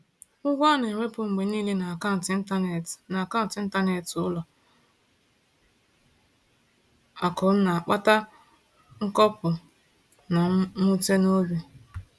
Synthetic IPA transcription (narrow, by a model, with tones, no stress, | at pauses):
ʊ˦ɡʷɔ˦ne˨wʷe˦pʊ˨ŋ͡m̩˨ɡ͡be˨niː˦le˦na˨ka˦n̩˨tɪ˦n̩˦ta˦˨na˨ka˦n̩˨tɪ˨˦n̩˦ta˦ne˨tʊ˦lɔ˨ | a˨kɔ˨˦na˨a˨k͡pa˦ta˦ | ŋ̩˦kɔ˦pʊ˨ | na˨˦mu˦te˦no˦bi˨